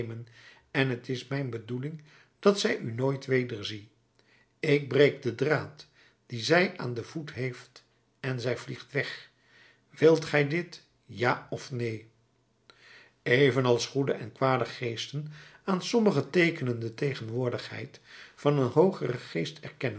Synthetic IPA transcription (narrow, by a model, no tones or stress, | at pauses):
mən | ɛnɦətɪsmɛjnbədulɪŋ | d̥ɑtsɛjynoːjtʋejdəɹzi | ɪɡ̚brejk̚dədraːt | d̥izɛjʔa̰ːndəvutɦejft | ɛnzɛjvliχtʋɛχ | ʋɪlˠtχɛjdɪt | jaːɔfnej | ejvənɑlˠsχudəʔɛnkʋaːdəχejstənaːnsɔməχətejkənəndətejχənʋʊːɹdəχhɛ̰jtfɑnənɦowχərəχejstɛɹkɛnən